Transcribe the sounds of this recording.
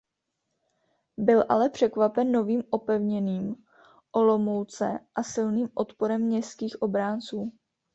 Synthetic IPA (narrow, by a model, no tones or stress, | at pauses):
bɪlʔa̰lɛpr̥ɛkvapɛnːo̞viːmʔo̞pɛvɲɛniːm | ʔolo̞mo̞wt͡sɛ̰ʔasɪlniːmʔot̪po̞ɾɛmɲɛst̪kiːxʔo̞bɾaːnt͡suː